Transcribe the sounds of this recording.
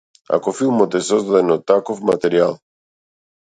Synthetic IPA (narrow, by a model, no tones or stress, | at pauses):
a̰kofilˠmot̪esɔzd̪ad̪enot̪akofmat̪eɾialˠ